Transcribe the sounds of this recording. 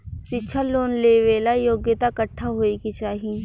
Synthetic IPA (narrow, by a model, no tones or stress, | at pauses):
ʃɪtːʃʰaloːnleːʋeːlajoːɡjət̪akəʈʰːaɦoːikit͡ʃaːɦi